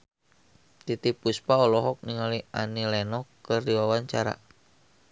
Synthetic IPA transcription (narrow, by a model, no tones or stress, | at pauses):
t̪it̪ipuspaɔlɔɦɔk̚niŋalianilɛnɔkərdiwawaɲt͡ʃaɾa̰